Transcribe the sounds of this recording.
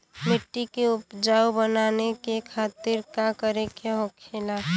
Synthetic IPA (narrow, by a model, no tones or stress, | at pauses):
mɪʈːikeʊpd͡ʒaubənanekekʰat̪ɪɾkakəɾekʰeɦokʰela